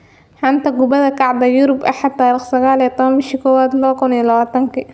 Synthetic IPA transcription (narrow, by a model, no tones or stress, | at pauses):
ħɐnt̪ɐɡʊbɐðɐkʰɑʕd̪ɐjʊɾʊbɐ̰ħɑt̪ʰːaːɾiχsɐɣaːlit̪ʰɔβɐnbɪʃikʰɔːwaːd̪lɔkʰʊniɐlɐβaːt̪ʰɐŋkʰi